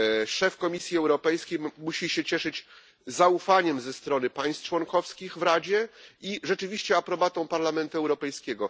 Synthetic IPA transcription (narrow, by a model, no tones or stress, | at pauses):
ʂɛfkɔmʲisʲjiɛwɾɔpɛjskʲejmuɕiɕɛt͡ɕɛʂɘd͡ʑ | zaufaɲɛmzɛst̪ɾɔnɘpaj̃st̪t͡ʂwɔŋkɔfskʲixvɾad͡ʑɛiʐɛt͡ʂɘvʲiɕt͡ɕɛapɾɔbat̪ɔ̃w̃paɾlamɛnt̪uɛwɾɔpɛjskʲɛɡɔ